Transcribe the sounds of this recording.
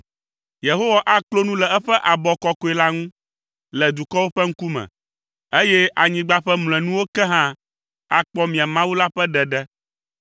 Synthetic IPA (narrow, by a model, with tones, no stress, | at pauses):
je˨ɦo˦wa˨ʔa˦klo˦nũ˦lɛ˨ɛ˦ɸɛ˦ʔa˨bɔ˨kɔ˦ko˨˦ɛ˨la˦ŋũ˦ | lɛ˨d̪u˨kɔ˦wo˦ɸɛ˦ŋ̩˦ku˦mɛ̰̃˨ | e˦jɛ˦ʔa˨ɲĩ˨ɡ͡ba˦ɸɛ˦ml̃ɛ̃˨nũ˦wo˦kɛ˦ɦã˦ | a˨k͡pɔ˦mĩ˨a˨mã˦wu˦la˦ɸɛ˦ɖɛ˨ɖɛ˦